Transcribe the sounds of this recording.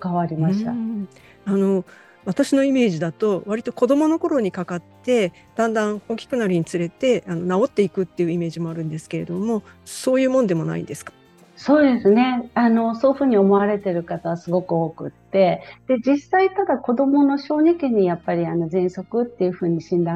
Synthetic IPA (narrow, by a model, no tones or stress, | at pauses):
kaβaɾʲimaɕi̥t̪a̰ | ano̞ | βat̪aɕino̞ime̞ːʑid̪at̪o̞βaɾʲit̪oko̞d̪o̞mo̞no̞ko̞ɾo̞ɲ̟ikakat̪ːe̞ | d̪̥ãnd̪ãɰ̃o̞ːkʲi̥kɯnaɾʲiɲ̟it͡sɨɾe̞t̪e̞ano̞nao̞t̪ːe̞ikɯ̟t̪ːe̞jɯ̟ime̞ːʑimo̞aɾɯ̟̃nd̪e̞sɨ̥ke̞ɾe̞d̪o̞mo̞so̞ːjɯ̟ːmõ̞nd̪e̞mo̞na̰ḭnd̪e̞sɨ̥kḁ | so̞ːd̪e̞sɨne̞ano̞so̞ːɯɸɯ̟ːɲ̟io̞mo̞aɾe̞t̪e̞ɾɯ̟kat̪aβasɨɡo̞kɯ̟o̞ːkɯ̟̰t̪ːe̞d̪̥e̞d͡ʑisait̪ad̪ako̞d̪o̞mo̞no̞ɕo̞ːnekʲiɲ̟ijapːaɾʲiano̞zẽ̞ɰ̃so̞kɯ̟t̪ːe̞jɯ̟ɸɯ̟ːɲ̟iɕĩnd̪ã